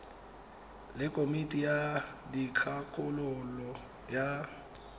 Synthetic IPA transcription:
lɪkʼomitʼijadikʰakʰʼʊlʊlɔ | ja

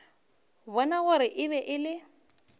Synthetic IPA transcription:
bɔnaɣʊɾɪʔɪβɛʔɪlɪ

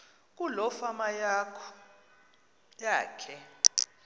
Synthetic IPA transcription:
k̬ʼulɔfamajakʰɔ | jaːkʰɛ

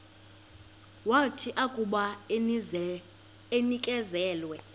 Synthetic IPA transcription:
watʰiʔakʼuɓa | enikʼɛzɛːlwɛ

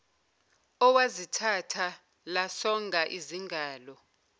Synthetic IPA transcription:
ɔwazitʰatʰa | lasɔŋʱaʔiziŋɡʱaːlɔ

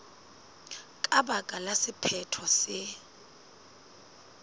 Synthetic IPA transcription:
kʼaɓakʼalasɪpʰɛtʰɔsɪ

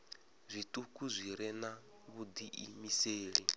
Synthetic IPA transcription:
zʷit̪ʼukʼuzʷiɾɛna | βud̪iʔimiseːɺi

